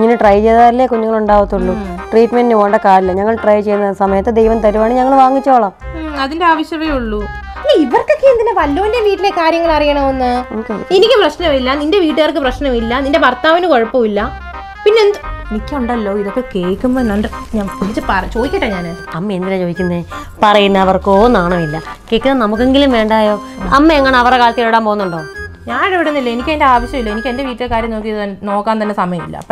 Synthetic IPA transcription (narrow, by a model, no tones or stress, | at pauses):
ŋːɐnɨʈrɐjt͡ɕejðaːilːekuɲːuŋːɐɭuɳɖaːʋɐt̪ːuɭːuʈriːʈmenɖinuʋoːɳɖɐkaːɾilːɐɲɐŋːɐɭʈrɐjt͡ɕe̞jːunːɐsɐmɐjɐt̪ːed̪ejʋɐnt̪ɐɾuʋaːɳɨɲɐŋːɐɭʋaːŋːit͡ɕːoːɭɐamɐðindeaːʋɐɕjɐʋeuɭːu | inːeiʋɐrkokːend̪inepɐlːoːndeʋiːʈːile̞kaːɾjɐŋːɐɭɐrijaːɳɐmonːɨoːkeenikʲːɨprɐɕnɐmilːɐninde̞ʋiːʈːɨʋɐrk̬ːɨprɐɕnɐmilːɐninde̞bʱɐrt̪aːʋinɨko̞ɻɐpːoʋilːɐ | pinːend̪ɨenikʲːuɳɖɐlːo̞ːiðokːe̞ke̞ːkːumbonːɐɳɖɨɲaːpilit͡ɕːɨpɐrɐt͡ɕo̞ːðikʲːɐʈːɐɲaːne | ɐmːɐend̪ilat͡ɕoːðikʲːunːɨ | pɐrɐjunːɐːʋɐrkoːnːaːɳɐmilːɐ | ke̞ːkʲːunːɐnɐmukːe̞ŋɡilumʋe̞ːɳɖaːjo̞ː | ɐmːɐeŋːɐɳeɐʋɐrekaːlɐt̪ieɭuɽaːmpoːunːuɳɖoːɲaːnɽeʋiɽunːilːɐenikʲːɨendeaːʋɐɕjɐmilːɐenikʲːende̞ʋiːʈːilekːaːɾjɐmnoːkːijɐðt̪ɐnno̞ːkːaːnt̪ɐnːesɐmɐjɐmilːɐ̰